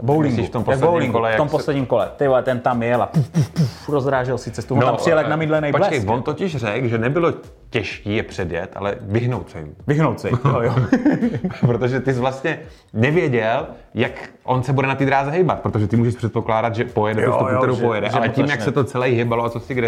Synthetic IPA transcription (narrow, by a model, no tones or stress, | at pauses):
bowliŋɡiːft̪ompoaslɛbowliŋkulɛjaomposlɛdɲiːmkolɛ̰t̪ɪɛt̪ɛnt̪amjɛlapufpufpufɾozɾaːʒɛlsɪt͡sɛst̪uvonoamprɪjɛljaknamidlɛnɛjpolɛkɛjvont̪ocɪʃrɛkʒɛnɛbɪlo̞ | cɛʃkiːjɛpr̥ɛdjɛ̰t̪ʔa̰lɛ̰vɪɦnowt̪sɛjɪ̰mvɪɦnowt̪sɛjjo | pɾot̪oʒɛt̪ɪs̬vlast̪ɲɛ | nɛvjɛɟɛl | jak | ʔonsɛbudɛnat̪iːd̪ɾaːzɛɦɛjbat̪̚pɾot̪oʒɛt̪ɪmuːʒɛʃpr̥ɛt̪̚po̞klaːdat̪ʒɛpojɛdɛt̪ust̪ukuk̪ɛɾowpojɛdɛʔalɛciːmjaksɛt̪ot͡sɛlɛjɦɪbaloat͡sosɪɡɾɛ